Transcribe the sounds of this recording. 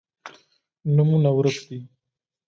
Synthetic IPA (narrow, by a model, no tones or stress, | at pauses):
numunawɾəkd̪i